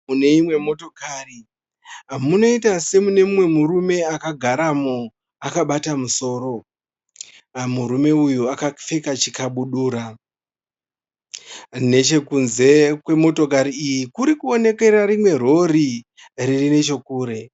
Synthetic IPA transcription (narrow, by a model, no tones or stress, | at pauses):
une̞imwe̞mo̞to̞kaːri | amuno̞itase̞mune̞umwe̞muɾume̞akaɡʱaɾamo | akaɓatamuso̞ːɾo̞ | muɾume̞ujuakafe̞kat͡ʃikaɓuɗuːɾa | ne̞t͡ʃe̞kunze̞kwe̞mo̞to̞kaɾiijikuɾikuo̞ne̞ke̞ɾaɾimwe̞ro̞ri | ririne̞t͡ʃo̞kuːɾe̞